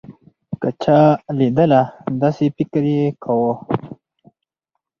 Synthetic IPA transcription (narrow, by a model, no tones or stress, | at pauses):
kət͡ʃʰalid̪əlad̪asepikɾekʰawo